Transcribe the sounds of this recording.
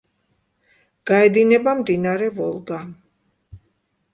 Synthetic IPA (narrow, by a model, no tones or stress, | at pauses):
ɡ̥aɛd̪inɛbamd̪inaɾɛvɔlˠɡa